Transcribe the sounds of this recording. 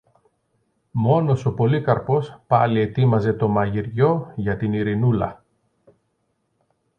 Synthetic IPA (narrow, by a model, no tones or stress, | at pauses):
mo̞no̞so̞po̞likɐɾpo̞spɐlie̞t̪imɐze̞t̪o̞mɐʝiɾʝo̞ʝɐt̪iniɾinulɐ̰